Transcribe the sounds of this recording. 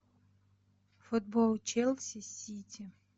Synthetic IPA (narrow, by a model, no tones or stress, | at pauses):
fʊd̪̚bɔlˠt͡ʃɛlˠsʲɐsʲitʲi